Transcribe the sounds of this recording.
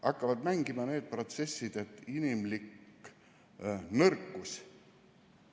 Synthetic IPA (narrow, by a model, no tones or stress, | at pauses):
ʔɑkːɑvɑd̪̚mæŋɡimɑne̞ːd̪̥̚pro̞t̪se̞sʲːid̪̥et̪ːˑinimlik | nɤrkːus